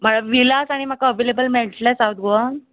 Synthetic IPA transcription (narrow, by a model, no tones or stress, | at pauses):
m̤aɭaʋilasaɽ̃im̤akaəʋelebəlmɛɭʈlasawt̪̚ɡoʋan